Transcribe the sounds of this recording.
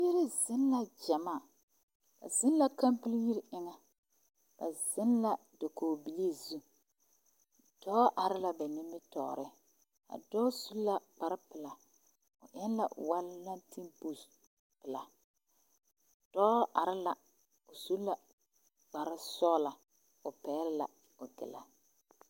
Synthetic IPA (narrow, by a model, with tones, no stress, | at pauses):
i˦ɾi˦zɪ˦nla˦d͡ʒa˨maː˦˨ | ba̰˨zɪ˦n˦la˦ka˦mpi˦lji˦ɾɪ˦ŋa˨ | b̥a̰˨zɪ˦nla˦ | do˨koː˨bi˨le˦zu˦ | d̥ɔ˦ʔa˨ɾɪ˦la˨bɛ˨nɪ˦mːɪ˦tɔ̰ː˨ɾɪ˦ | a̰˨dɔ˦su˦lla˦k͡pa˨ɾɪ˦pɪ˨la˨ | ʊ̰˨ʔɪ˦n˦la̰˨wa˦lla˦nti˦mbu˨s | pɪ˨la˨ | d̥ɔː˦ʔa˨ɾɪ˦la˨ | ʊ˨su˦la˦ | k͡pa˨ɾɪ˦sɔ˦la˨ | ʊ˨pɛː˨˦ɾɪ˦la̰˨ | ʊ˨ɡɪ̰˨la̰˨